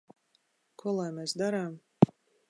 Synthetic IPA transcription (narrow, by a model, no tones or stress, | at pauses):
kuɔlˠajmɛsd̪aɾaːm